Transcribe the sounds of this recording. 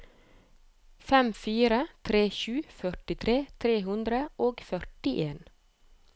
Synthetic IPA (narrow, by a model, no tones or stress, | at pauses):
fɛmfiːɾət̪ʰɾeːʃʉːfœʈɪt̪ʰɾeːt̪ʰɾeːhʉnd̪ɾəʔoːɡfœɾʈɪʔeːn